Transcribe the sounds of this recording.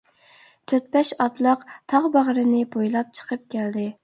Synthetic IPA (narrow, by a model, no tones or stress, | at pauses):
t̪ʰøt̪̚bɛʃɑt̪lˠəqt̪ʰɑʁbɑʁɾɨnɪbojlˠɑp̚t͡ʃʰə̥qʰəp̚kʲʰæld̪ɪ